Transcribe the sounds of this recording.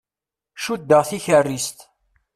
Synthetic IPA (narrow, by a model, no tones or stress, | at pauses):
ʃud̪ːəʁθiçərːist̪